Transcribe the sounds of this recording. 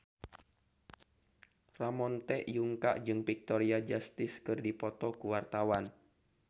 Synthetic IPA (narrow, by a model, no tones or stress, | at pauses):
ramɔnt̪ɛʔjuŋka̰ʔd͡ʒɨŋpik̚t̪ɔɾiad͡ʒast̪ɪskɨrdipɔt̪ɔkuwart̪awan